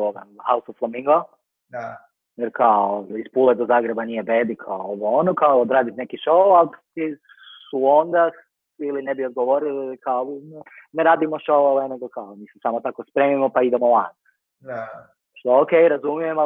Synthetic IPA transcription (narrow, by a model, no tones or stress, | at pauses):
oʋa̰hausofflamiŋɡo | da | jeɾkaoispuled̪ozaːɡɾe̞banijebeːd̪ikʰaooʋoonokaood̪ɾaːd̪it̪nekiʃowwalt̪i | suond̪a | ilinebiod̪̚ɡoʋoɾilikaonneɾaːd̪imoʃowoʋeneɡokaomiːsesaːmot̪akospɾe̞ːmimopaid̪emolan | a | ʃt̪ookejɾazumije̞ma